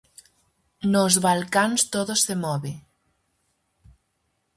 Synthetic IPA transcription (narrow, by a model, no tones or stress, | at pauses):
nozβalkanst̪oðosːemɔβe